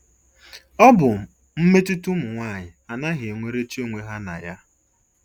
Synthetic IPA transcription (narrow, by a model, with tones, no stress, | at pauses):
ɔ˦bʊ˨ | m̩˦me˦tu˦tu˦mʊ˨ŋʷaː˦˨ɲɪ˨a˨na˦ɦe˨ŋʷe˦ɾe˦t͡ʃi˦o˦ŋʷe˦ɦa˦na̰˨ja˦